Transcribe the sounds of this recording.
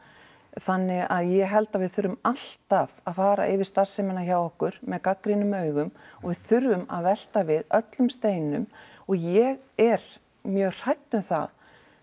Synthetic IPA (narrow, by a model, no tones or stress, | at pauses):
θanːɪɣaðjɛɦɛlt̪aðvɪðθʏɾːʏmal̥t̪avaðfaːɾa̰ʔɪvɪst̪ar̥sɛmɪnaçawɔhkʏɾmɛðkakɾinʏmœːɥɣʏmɔɣvɪðθʏɾvʏma̰ðvɛl̥t̪avɪðœt̪lʏmst̪eːjnʏmɔɣjɛɣɛɾ | mjœːɣr̥ajt̪nʏmθa̰ð